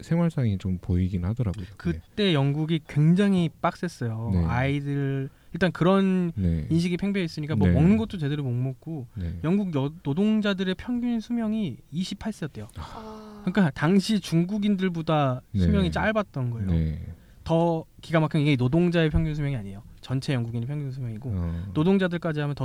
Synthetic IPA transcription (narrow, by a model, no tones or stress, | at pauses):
sʰewaɭs͈aŋit͡ɕompoiɡinnhadʌɾa̰ɡojokɯt͈e̞jʌŋɡuɡikwe̞ŋd͡ʑaŋip͈ak̚s͈es͈ʌjonaidɯɭ | iɭt͈ankɯɾʌnneinɕ̬ʰiɡipʰe̞ŋbjeʌis͈ɯɲik͈amwʌmʌŋnɯnɡʌt̚t͈ot͡ɕe̞dɯɾumoŋmok̚k͈onejʌŋɡuɡ̚jʌnodoŋd͡ʑadɯɾe̞pʰjʌŋɡjunsʰumjʌŋiːɕʰipʰaɭs͈ɯjʌt͈̚e̞jokɯɲik͈ataŋɕʰit͡ɕuŋɡuɡindɯɭbodasʰumjʌŋit͡ɕ͈aɭbat̚t͈ʌnɡʌejo | tʌkiɡamakʰɯiɡeinodoŋd͡ʑae̞pʰjʌŋɡjunsʰumjʌŋiaɲe̞jot͡ɕʌnt͡ɕʰe̞jʌŋɡuɡinepʰjʌŋɡjunsʰumjʌŋiɡonodoŋd͡ʑadɯɭk͈ad͡ʑiɦamjʌntʌ